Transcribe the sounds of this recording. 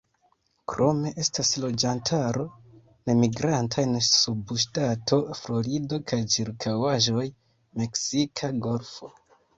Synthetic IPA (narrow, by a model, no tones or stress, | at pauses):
kɾo̞me̞ʔe̞staslo̞d͡ʒantʰaɾo̞ | ne̞miɡɾantʰajnesubʃtatʰo̞flo̞ɾido̞kʰajt͡ʃiɾkʰawaʒo̞j | me̞ksikʰaɡo̞lfo̞